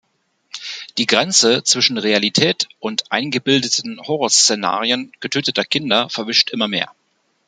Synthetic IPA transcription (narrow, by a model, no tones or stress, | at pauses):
d̥iːɡʁɛnt͡sət͡sv̥ɪʃn̩ʁealitʰɛːtʔʊntʔaɪnɡəbɪldətʰn̩hɔʁɔɐst͡sena̰ːʁiənɡ̥ətʰøːtətɐkʰɪndɐfɛɐvɪʃtʔɪmɐmḛːɐ